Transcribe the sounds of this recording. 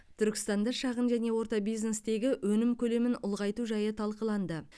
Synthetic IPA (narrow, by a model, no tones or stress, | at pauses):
t̪ʰʏɾkʲɪ̥st̪ɑnd̪ɑʃɑʁənʒæne̞wo̞ɾt̪ɑbijzne̞st̪e̞ɡʲɪwɵnɪmkʲʰɵle̞mɪnʊlˠʁɑjt̪uʒɑjət̪ʰɑlˠqəlˠɑnd̪ə